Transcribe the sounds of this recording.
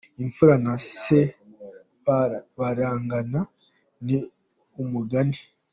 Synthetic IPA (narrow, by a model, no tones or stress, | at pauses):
iɱfuɾanase | βaɾaːŋɡana | ni | umuɡani